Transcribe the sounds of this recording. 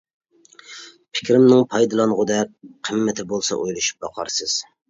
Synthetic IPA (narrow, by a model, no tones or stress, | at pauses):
pʰɪ̥kʲɾɪmnɪŋpʰɑjd̪ɨlˠɑnʁʊd̪ɛk̚ʲqʰəmːɛt̪ʰɪbolˠsɑ̰ʔojlˠɨʃu̥p̚bɑqʰɑ̰ɾsɨz̥